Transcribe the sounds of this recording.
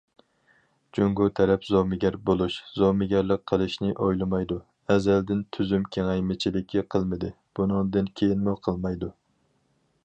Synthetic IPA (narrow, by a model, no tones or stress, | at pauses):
d͡ʒoŋɡut̪ʰɛɾɛpzɑmɪɡʲɛɾbolˠuʃzɑmɪɡʲæɾlˠəq̚qʰːəlˠɨʃnɪʔojlˠɨmɑjd̪u | ɛzɛld̪ɪnt̪ʰyzymkʲʰeŋɛjmɪt͡ʃʰilɪkʲʰːiqʰəlˠmɨd̪ɪ | b̥unɨŋd̪ɪnkʲʰejinmuqʰəlˠmɑjd̪u